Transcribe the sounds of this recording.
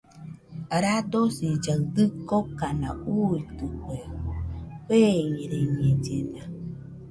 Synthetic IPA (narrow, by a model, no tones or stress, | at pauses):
ɾad̪osid͡ʒad̪ɨkokana̰uit̪ɨkwe | heiɾeɲed͡ʒida